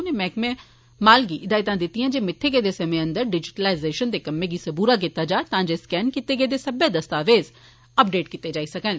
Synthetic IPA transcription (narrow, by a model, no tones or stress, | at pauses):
neːmɛ̃ːkmɛ̃ː | maːlɡiːɪd̪aːit̪ãːd̪ɪt̪ːijãːd͡ʒeːmɪt̪ʰːeːɡeːd̪eːsəmẽːə̃nd̪əɾɖɪd͡ʒɪʈəlaːɪzeːʃənd̪eːkəmːẽːɡiːsəbuːɾaːk̬it̪ːaːd͡ʒaːt̪ãːd͡ʒeːskɛːnkit̪ːeːɡeːd̪eːsəbeːd̪əst̪aːʋeːz | əp̚ɖeːʈkiːt̪ːeːd͡ʒaːisəkən